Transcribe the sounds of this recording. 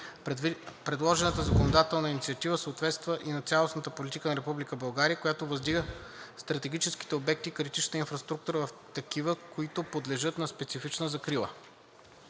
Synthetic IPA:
pɾɛd̪lˠɔʒɛnət̪əzɐkonod̪at̪ɛlˠnəinit̪siɐt̪ivəsəːt̪vɛt̪st̪vəʔinɐt̪sʲalˠosnət̪əpolit̪ikənɐɾɛpublikəbɐlˠɡaɾijəkojat̪ovɐzd̪iɡəst̪ɾɐt̪ɛɡ̟it͡ʃɛski̥t̪ɛobɛk̚t̪ikɾit̪it͡ʃnt̪əinfɾɐst̪ɾuk̚t̪uɾəvɐft̪ɐkivəkoit̪opod̪lɛʒɤt̪nɐspɛt̪sifit͡ʃnəzɐkɾilˠə

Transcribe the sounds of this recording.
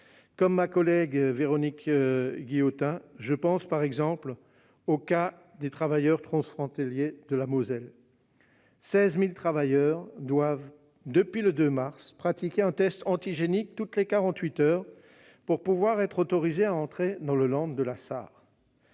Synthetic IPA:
kɔmːakɔlɛɡveʁɔnikɡʲijot̪ɛ̃ʒəpɑ̃spaʁɛɡzɑ̃pl | oka | d̪et̪χavajœʁt̪χɑ̃sfχɔ̃t̪aljed̪əlamozɛl | sɛzmilt̪χavajœʁd̪wav | d̪əpɥiləd̪ømaʁspχat̪ikʲeɛ̃t̪ɛst̪ɑ̃t̪iʒenik̚t̪ut̪lekaʁɑ̃t̪ɥit̪œːʁ | puʁpuvwaʁɛt̪χot̪ɔʁizeaɑ̃t̪χed̪ɑ̃ləlɑ̃d̪ːəlasa̰ːʁ

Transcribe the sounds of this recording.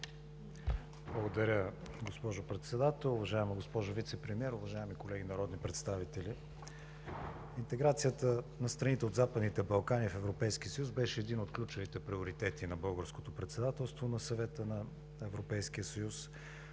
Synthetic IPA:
blˠəɡod̪ɐɾʲə | ɡospɔʒopɾɛt̪sɛd̪at̪ɛlˠʊvɐʒaɛməɡospɔʒʊvit̪sɛpɾɛmiɛɾʊvɐʒaɛmikolɛɡʲinɐɾɔd̪nipɾɛt̪st̪avit̪ɛli | int̪ɛɡɾat̪sijət̪ənɐst̪ɾɐnit̪ɛod̪zapəd̪nit̪ɛbɐlˠkanifɛvɾopɛjsk̟iəsəjusbɛʃɛːd̪inot̪klʲut͡ʃʊvit̪ɛpɾioɾit̪ɛt̪inɐbɤlˠɡəɾskot̪opɾɛt̪sɛd̪at̪ɛlˠst̪vonɐsɐvɛt̪ənɐ | ɛvɾopɛjsk̟iəsɐjus

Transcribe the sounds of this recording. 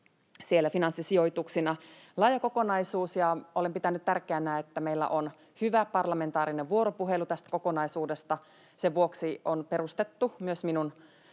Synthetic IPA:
sielːæfinɑnsːisio̞jt̪uksinɑ | lɑjɑkoko̞nɑisuːsjɑʔolempit̪ænyt̪t̪ærkeænæːet̪ːæmeilːæ̰ʔon | hyʋæpɑrlɑme̞nt̪ɑːɾineʋʋuoɾopuɦelut̪æst̪kokonɑisuːdest̪ɑ | seʋuoksionpeɾust̪et̪ːumyøsminun

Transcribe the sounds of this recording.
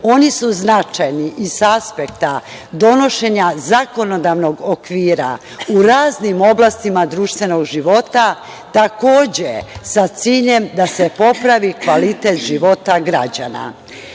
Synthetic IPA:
o̞nisuznat͡ʃajniʔisaspek̚t̪a | d̪o̞no̞ʃe̞ɲazako̞nod̪aʋno̞ɡokʋiːɾa̰ | uɾaːznimo̞blast̪imad̪ɾuːʃt̪ʋe̞noɡʒiʋo̞t̪a | t̪ako̞ːd͡ʑesat̪siːʎe̞md̪ase̞po̞pɾaʋikʋalit̪et̪ʒiʋo̞t̪aɡɾad͡ʑa̰na̰

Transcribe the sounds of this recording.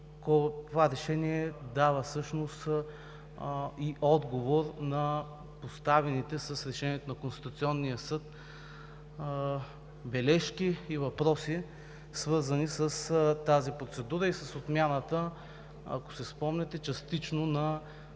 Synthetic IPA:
kot̪ovaɾɛʃɛniɛd̪avəsɤʃnos | iʔɔd̪ɡovoɾnɐ | post̪avɛnit̪ɛsɐsɾɛʃɛniɛt̪onɐkonst̪i̥t̪ut̪siɔnːijəsɤt̪ | bɛlɛʃkiːvɐpɾɔsi | svɤɾzənisəst̪azipɾot̪sɛd̪uɾəisɐsot̪mʲjanət̪ə | ɐ̰ko̥sɛspɔmnɛt̪ɛt͡ʃɐst̪it͡ʃnonɐ

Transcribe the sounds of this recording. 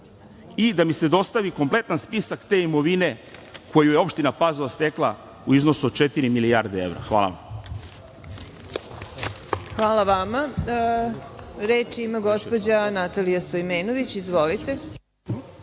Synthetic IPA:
id̪amised̪o̞st̪aʋiko̞mple̞t̪anspisakt̪eːimo̞ʋine̞ko̞jujeo̞pʃt̪inapazolast̪eklˠa | uiznosud̪̥̚t͡ʃet̪iɾimiliaːɾd̪eeʋvɾa̰xʋa̰ːla̰a̰m | xʋaːlˠaʋama | ɾeːt͡ʃiimaɡo̞spo̞d͡ʑanat̪alijast̪ojmeːnoʋit͡ɕizʋo̞lit̪e

